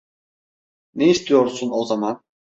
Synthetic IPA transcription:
neist̪ʰijo̞ɾsunozamɑn

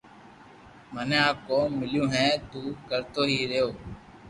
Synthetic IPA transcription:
mənẽːaːp̚koːmːɪljũːɦɛ̃ːt̪uːkəɾt̪oːɦiːɾeːoː

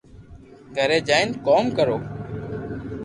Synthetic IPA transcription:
ɡʱəɾeːd͡ʒaːɪnkoːmkəɾoː

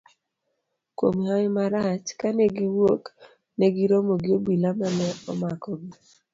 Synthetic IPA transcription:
kwo̰mhajmaɾat͡ʃkanɛɡiwok | neɡiɾomoɡɪobilamanɛɔmakɔɡi

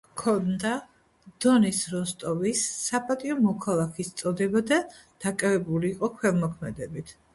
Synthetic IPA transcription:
kʰɔnd̪a | d̪̥ɔnisɾɔst̪ʼɔvisːapʼat̪ʼiɔmɔkʰalˠakʰist̪sʼɔd̪ɛbad̪a | d̪̥akʼavɛbuliːqʼɔkʰwɛlˠmɔkʰmɛd̪ɛbit̪ʰ

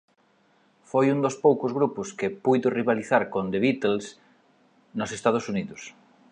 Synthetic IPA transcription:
fojund̪ospowkozɣɾupʊskɪpujðʊriβaliθaɾkõnd̪eβit̪els | nosest̪að̞osuniðʊs

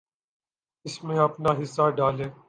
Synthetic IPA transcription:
ɪsmẽɐpnaːɦɪsːaːɖaːleː

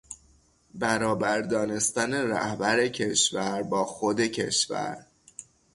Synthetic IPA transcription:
bæɾɒːbæɾd̪ɒːne̞st̪æne̞ɾæ̰hbæɾe̞cʰe̞ʃvæɾbɒːxod̪e̞cʰe̞̰ʃvæ̰ɾ

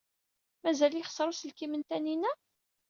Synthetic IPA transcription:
mæzæljəχsˤɾˤusəlkimənt̪æninæ

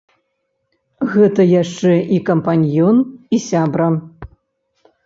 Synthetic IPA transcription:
ɣɛt̪ɐjaʂt͡ʂɛʔikɐmpanʲjɔnisʲabɾɐ

